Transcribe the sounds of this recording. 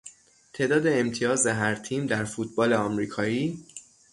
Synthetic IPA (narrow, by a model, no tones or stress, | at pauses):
t̪ʰe̞ːd̪ɒːd̪e̞ːmt̪ʰijɒːzeɦæɾt̪ʰiːmd̪æɾfuːt̪̚ʰbɒːle̞ɒmɾiːkʰɒːjiː